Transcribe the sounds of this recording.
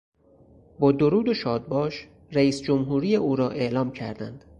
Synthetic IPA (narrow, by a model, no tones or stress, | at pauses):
bɒːd̪oɾuːd̪oʃɒːd̪̚bɒːʃ | ɾæiːsd͡ʒomɦuːɾiːjeʔuːɾɒːʔe̞ʔlɒːmcʰæ̰ɾd̪æ̰nd̪̥